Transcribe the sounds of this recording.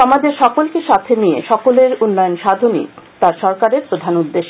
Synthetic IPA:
ɔmad͡ʑeɾʃɔkolkeʃat̪ʰeniḛʃɔkoleɾunːajonʃad̪ʱonḭt̪aɾʃɔɾkaɾeɾpɾod̪ʱanud̪ːeʃ

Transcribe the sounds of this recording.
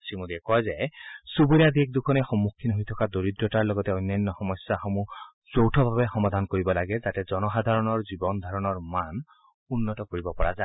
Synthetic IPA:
simodiɛkɔjzɛsuboɹijad̪iɛk̚d̪ukʰɔnɛxɔmːukʰːinɦojtʰɔkadoɹidɹɔtaɹlɔɡɔtɛɔjnːajnːɔxɔmɔsaxɔmu | sowtʰɔbʱabɛxɔmad̪ʱankoɹibɔlaɡɛzatɛzɔnɔxad̪ʱaɹɔnɔɹzibɔnd̪ʱaɹɔnɔɹman | unːɔtɔkoɹibɔpɔɹaza

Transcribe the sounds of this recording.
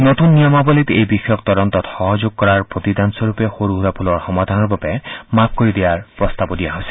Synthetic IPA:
not̪unːijɔmabɔlit̪ejbixɔjɔk̚t̪ɔdɔnt̪ɔt̪xɔɦɔzoɡ̚kɔɹaɹpɹot̪idansɔɹupɛxoɹuɦuɾapʰulɔɹxɔmad̪ʱanɔɹbabɛmap̚koɹid̪ijaɹpɹɔst̪abɔdijaɦojsɛ̥

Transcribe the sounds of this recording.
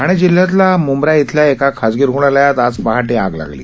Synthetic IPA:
aɽ̃id͡ʑiljat̪̬lamumbɾjait̪ʰljaekakʰad͡zɡiɾɦuɽ̃alajat̪ad͡zpaɦaʈeaɡla̰ɡlḭː

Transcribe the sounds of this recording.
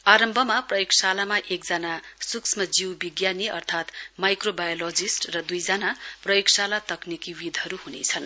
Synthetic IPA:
aɾʌmbʱʌmaprʌjoksalamaʔek̚d͡zanasuksʰmʌd͡ziwbiɡjaniʌrt̪ʰat̪majkrobajolod͡zisʈrʌd̪ujd͡zanaprʌjoksalat̪ʌknikiwid̪ʱʌɾuɦunḛt͡sʰʌn

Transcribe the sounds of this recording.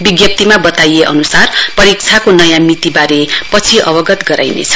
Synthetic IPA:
biɡjʌp̚t̪imabʌt̪ajeʔʌ̰nusarpʌɾik̚t͡sʰakonʌjamit̪ibaɾepʌt͡sʰiʔʌ̰bʌɡʌt̪ɡʌɾa̰jnḛt͡sʰʌ̥

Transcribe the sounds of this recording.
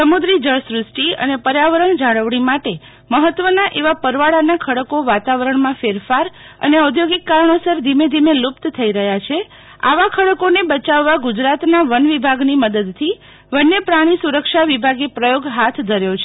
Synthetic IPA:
səmud̪ɾid͡ʒəɭsɾʊsʈiə̰nepəɾjaʋəɾəɳd͡ʒaɽəʋɽimaʈe | məɦət̪ʋənaʔeʋapəɾʋaɭanakʰəɽəkoʋat̪aʋəɾəɳmãfeɾfaɾ | ə̰neəd̪joɡɪkːaɾəɳosəɾd̪ʱimed̪ʱimelupt̪t̪ʰəiɾəɦjat͡ʃʰe | a̰ʋakʰəɽəkonebət͡ʃaʋːaɡud͡ʒɾat̪naʋənʋibʱaɡniməd̪əd̪t̪ʰi | ʋənːepɾaɽ̃isuɾəkʃaʋibʱaɡepɾəjoɡɦat̪ʰd̪ʱəɾjot͡ʃʰe

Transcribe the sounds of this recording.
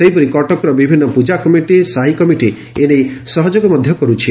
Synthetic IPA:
seɦipɔɾikɔʈɔkɔɾɔbibʱinːɔpud͡ʒakɔmiʈisaɦikɔmiʈi | enejsɔɦɔd͡ʒoɡɔmɔd̪ʱjɔkɔɾut͡ʃʰi

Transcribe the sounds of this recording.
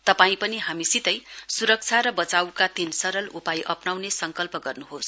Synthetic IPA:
t̪ʌpaĩpʌniɦamisit̪ʌjsuɾʌk̚t͡sʰaɾʌbʌt͡sawkat̪insʌɾʌlupajʔʌpnawnesʌŋkʌlpʌɡʌrnuɦos

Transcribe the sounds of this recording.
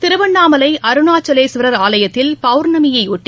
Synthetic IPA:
t̪ɪɾɯʋɐɳːaːmɐlɐɪʔɐɾɯnaːt͡ʃːɐleːsʋɪɾɐɾaːlɐjɐt̪ːɪlpɐʊɾnɐmɪjɐɪʊʈːi

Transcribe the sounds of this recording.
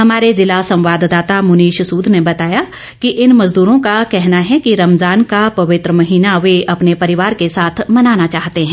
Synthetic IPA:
ɦɐmaːɾezɪlasɐ̃mʋaːd̪d̪aːt̪amʊniːʃsuːd̪ʱnebɐt̪aːja | kiʔɪnmɐzd̪uːɾõkakɛɦnaɦɛkiɾɐmzaːnkapɐʋɪt̪ɾəmɐɦiːnaʋeʔɐpnepɐɾɪʋaːɾkesaːt̪ʰmɐnaːnat͡ʃaːɦt̪eɦɛ̃

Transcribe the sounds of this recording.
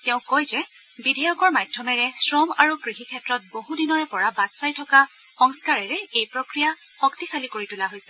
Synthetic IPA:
tɛʊ̃kojzɛ | bidʱɛjɔkɔɹmajdʱjɔmɛɹɛsɹɔmaɹukɹiɦikʰɛtɹɔt̚boɦudinɔɹɛpɔɹabatsajtʰɔka | xɔŋskaɹɛɹɛejpɹokɹija | xɔktixʰalikoɹitulaɦojsɛ

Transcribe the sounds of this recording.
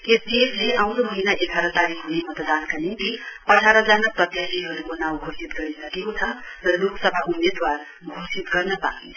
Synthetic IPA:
esdiesleʔaw̃ɾomʌɦinaʔekʰaɾʌt̪aɾikɦunemʌt̪d̪ankanint̪iʌʈʰaɾʌd͡zanaprʌt̪jat̪iɦʌɾukonaw̃ɡʱosit̪ɡʌisʌkekot͡sʰʌrʌloksʌbʱaʔumed̪war | ɡʱosit̪ɡʌrnʌpa̰int͡s

